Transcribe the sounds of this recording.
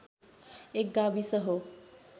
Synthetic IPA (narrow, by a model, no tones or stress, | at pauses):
ek̚ɡabisəɦo